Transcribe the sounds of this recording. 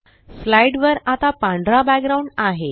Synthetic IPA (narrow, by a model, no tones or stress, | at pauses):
flajɖʋəɾat̪apãɳɖɾabæk̚ɡɾauɳɖaɦe